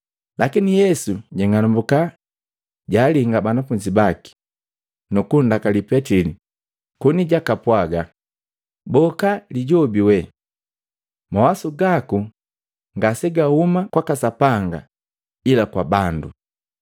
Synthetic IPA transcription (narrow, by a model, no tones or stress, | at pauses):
lakinijɛsuɟɛŋanumbuka | ɟaːliŋɡabanafuɲd͡ʒibaki̥ | nukundakalipɛtili | kɔniɟakapwaɡa | bɔkaliɟɔbiwɛ | mawasuɡaku | ŋɡasɛɡahumakwakasapaŋɡa̰ | ilakwabandu